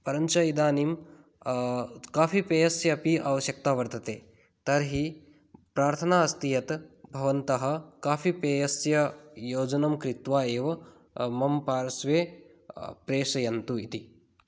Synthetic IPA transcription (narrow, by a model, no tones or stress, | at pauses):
pɐɾɐɲt͡ʃɐjid̪aːnim | kaːfipeːjɐsjɐːpiʔɐʋɐʃjɐk̚t̪aːʋɐɾt̪ɐt̪eː | t̪ɐɾɦi | pɾaːɾt̪ʰɐnaːɐst̪ijɐt̪bʱɐʋɐnt̪ɐɦɐ̆kaːfipeːjɐsjɐjoːd͡ʒɐnɐmkɾit̪ʋaːeːʋɐ | mɐmpaːɾɐsʋeː | pɾeːʂɐjɐnt̪uit̪i